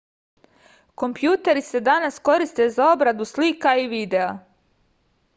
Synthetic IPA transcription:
ko̞mpjuːt̪e̞ɾise̞d̪anasko̞ɾist̪e̞zao̞bɾad̪uslikaiʋiːd̪e̞a

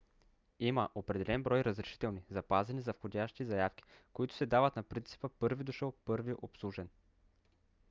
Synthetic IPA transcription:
iməʔopɾɛd̪ɛlɛnbɾɔjɾəzɾɛʃi̥t̪ɛlˠnizɐpazɛnizɐfxodʲaʃt̪izɐjafk̟ʲi̥koit̪ʊ̥sɛd̪avət̪nɐpɾint̪si̥pəpɤɾvid̪uʃəlˠpɤɾviʔopslˠuʒɛn

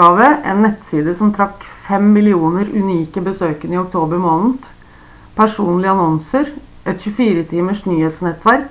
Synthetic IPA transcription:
ɑːʋəʔɛ̰nːɛt̪siːd̪əsɔmt̪ʰɾɑkfɛmːɪlɪuːnəɾʉ̰niːkəbəsøːkənɪʊk̚t̪ʰoːbəɾmoːnn̩ | pʰæʂuːnlɪɑnɔnsəɾ | ʔɛt̪çʉfiːɾət̪ʰiːməʂʈnyːheːt̪snɛt̪ːʋæɾk

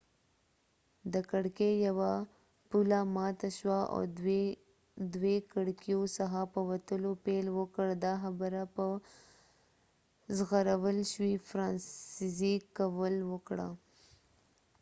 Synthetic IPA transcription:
d̪əkaɽkejawa | pulamɑt̪aʃwao̰ | d̪wekaɽkjosaxapəwat̪əlopelwəkəɽd̪ɑxabəɾapə | zɣaɾawəlʃwifɾɑnsizikawəlwəkɽa̰

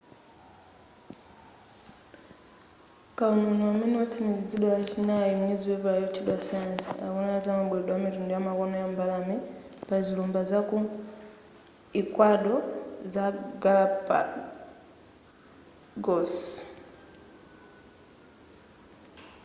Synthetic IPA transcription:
kaununɔwamɛnɛɔtʰimiziziɗɔjat͡ʃinajɔɲiziwɛpajɔt͡ʃʰiɗasajansia̰kɔnaazamaɓwɛɗɔamitundujamakɔnɔjambalamɛpazilɔmbazaku | ikwaɗɔzaɡalapa̰ | ɡɔs

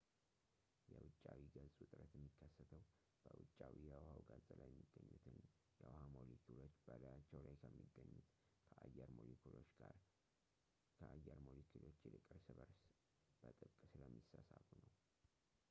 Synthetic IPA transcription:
jɛwʊt͡ʃʼːawiɡəzʼʊt̪ʼɾət̪jɛmːikʰːəsːət̪ʰəw | b̥əwʊt͡ʃʼːawijɛwhawɡazʼəlajɛmːiɡːəɲːut̪ʰɨn | jɛwhamo̞likʰulo̞t͡ʃːb̥əlajat͡ʃːɛwlajkʰəmːiɡːəɲːut̪kʰəʔajːɛɾmolikʰulot͡ʃaɾ | kʰəʔajɛɾmo̞likʰulo̞t͡ʃːɪlɨkʼəɾsɨβəɾs | b̥ət̪ʼɨkʼːɨsɨləmːisasafunəw

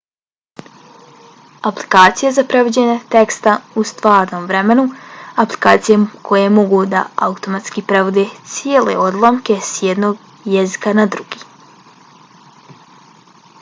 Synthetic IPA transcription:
apli̥kaːt̪sijezapɾe̞ʋod͡ʑeɲet̪e̞kst̪aust̪ʋaːɾno̞mʋɾe̞me̞nuaplikaːt̪sijekʰo̞jemo̞ɡud̪a̰aut̪o̞mat̪skipɾe̞ʋod̪et̪sijeːle̞̰o̞d̪lˠamke̞sjed̪no̞ɡ | jezikanad̪ɾuɡ̥iː

